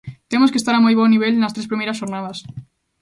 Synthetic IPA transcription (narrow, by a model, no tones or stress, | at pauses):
t̪emoskest̪aɾamojβ̞oniβ̞elnast̪ɾes̬pɾimeɾasʃoɾnað̞as